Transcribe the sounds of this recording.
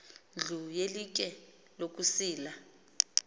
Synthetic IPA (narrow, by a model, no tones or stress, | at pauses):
ɮʱujelik̬ʼɛ | lok̬ʼusiːla